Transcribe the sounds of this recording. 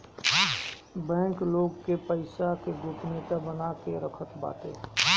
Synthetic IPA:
bɛ̃ːŋkloːɡkepəɪsakeɡʊpnet̪abənakeɾəkʰət̪ba̰ːt̪ḛɦɛ

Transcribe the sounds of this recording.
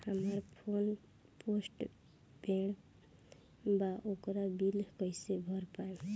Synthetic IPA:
amaɾpʰon | posʈ | beɳ | baʔokɾabilkəjsebʱɔɾpaj

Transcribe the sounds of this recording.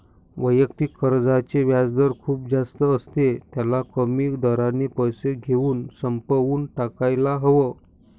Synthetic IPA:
ʋəjəkt̪ikʰːəɾd͡zat͡ɕeʋjad͡zd̪əɾkʰuːp̚d͡zast̪əːst̪et̪jalakəmiːkd̪əɾanipəjseɡʱeuːnsəmpəʋuːnʈakajlaɦəʋə

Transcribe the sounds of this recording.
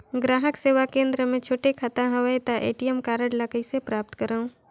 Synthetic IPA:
ɡɾaːɦəkseːʋakẽːnd̪ɾəmẽt͡ʃʰoːʈekʰat̪aɦɐʋəjt̪aʔḛːʈiɛmkaːɾəɽləkəisepɾaːp̚t̪kəɾaũː

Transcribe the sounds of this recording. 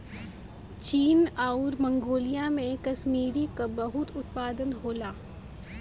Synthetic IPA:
t͡ʃiːnaːʊɾmɐ̃ŋɡoːlijamẽkɐʃmiːɾikabɐɦʊt̪ʊt̪paːd̪ənɦoːlaː

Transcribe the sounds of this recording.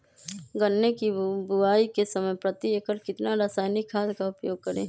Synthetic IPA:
ɡənːekibʊaːikesəməjpɾət̪iekəɾkɪt̪naɾaːsaːɪnikʰːaːd̪kaʊpjoːɡ̚kəɾḛ̃ː

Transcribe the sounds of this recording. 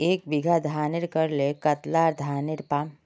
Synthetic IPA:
eːk̚bɪɡʱad̪ʱaːnɪɾkəɾlekɐt̪laːɾd̪ʱaːnɪɾpaːm

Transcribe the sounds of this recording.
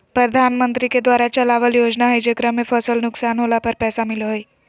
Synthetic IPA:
pɾəd̪ʱanmənt̪ɾiked̪ʋaɾat͡ʃəlaʋəljoːd͡ʒnaɦəjd͡ʒəkɾəmefʰəsəlnʊksaːnɦolapəɾpɛːsamɪlɦoj

